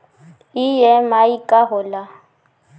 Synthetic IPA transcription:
ijɛmaikʼaɦʊla

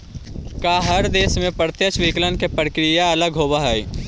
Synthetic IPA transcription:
kaɦɐɾd̪eːsmẽpəɾt̪jəʃʋiklənkepɾəkɾijaɐləɡɦoːbaɦɛj

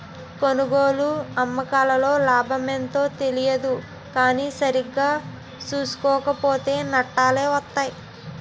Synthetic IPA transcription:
ko̞nuɡoːluɐmːɐkaːlɐlo̞ːlaːbʱɐment̪o̞ːt̪e̞lijɐd̪u | kaːniːsɐɾiɡːaː | suːsu̥kɔːkɐpo̞ːt̪e̞ːnɐʈːaːle̞ːʋɐt̪ːaːj

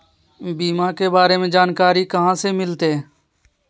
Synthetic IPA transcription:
biːmaːkeːbaːɾeːmẽːd͡ʒaːnkaːɾiːkəɦãːseːmɪlt̪eː

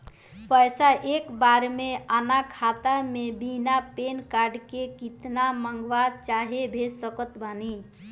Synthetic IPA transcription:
pəjsaʔekbaɾmeanakʰat̪amebinapenkaɾɖkekit̪naməŋɡʋadt͡ʃaɦebʱesəkət̪bʱani

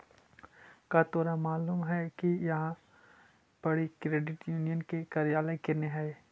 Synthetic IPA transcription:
kat̪oːɾamaːluːmɦɛkijɐɦã | b̥ɐɽikɾeːɖɪʈjuːnijənkekɐɾijaːlekenɪɦae

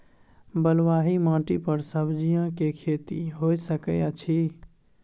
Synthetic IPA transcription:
bəlwaɦimãʈipəɾsəbd͡ʒijãkekʰet̪ḭɦojsəkəjat͡ʃʰi

